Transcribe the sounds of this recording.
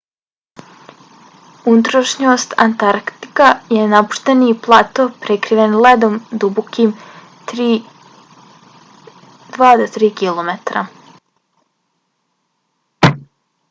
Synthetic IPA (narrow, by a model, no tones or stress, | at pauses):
ut̪ɾaʃɲoːst̪a̰nt̪aɾkt̪i̥kajenapu̥ʃt̪eniplˠat̪opɾekɾiʋenled̪omd̪ubokim | t̪ɾi | d̪ʋaːd̪ot̪ɾiːkilˠomet̪ɾa̰